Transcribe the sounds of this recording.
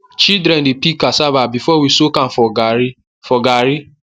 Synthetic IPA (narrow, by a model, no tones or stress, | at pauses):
t͡ʃidɾɛ̃ndepikasavabifɔwisokãnfɔ | fɔɡaɾi